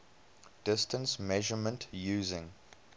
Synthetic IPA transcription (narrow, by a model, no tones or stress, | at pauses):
d̥ɪstə̃nsmɛʒəmə̃ntʰjuːzɪ̃ŋ